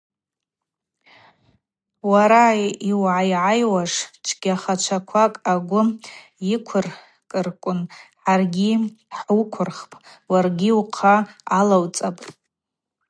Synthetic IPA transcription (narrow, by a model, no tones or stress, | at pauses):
waɾajiwʕajʕajwaʂʈ͡ʂʰɡ̥ʲaχat͡ʃʷʰakʷʰakʼaɡʷʊ | jikʷʰʊr | kʼɨrkʷʼʊnħarɡʲiħukʷʰʊrχpʼ | warɡʲiuqʰaːlawt͡sʼapʼ